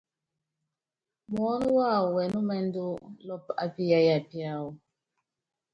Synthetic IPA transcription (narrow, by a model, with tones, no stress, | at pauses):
mɔ˨˦nu˦wa˦˨u˨wɛ˨nu˦mɛ˦n˦du˦lɔ˦pa̰˨pi˦ja˨ja˨pi˦a˦˨wu˨